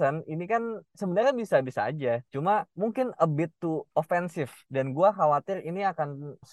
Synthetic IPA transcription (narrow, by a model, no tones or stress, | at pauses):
əninikansəbənarabisabisaːd͡ʒat͡ʃumamuŋkɪnəbɪt̪ːuofɛnsɪfdanɡuaxawat̪ɪriniakans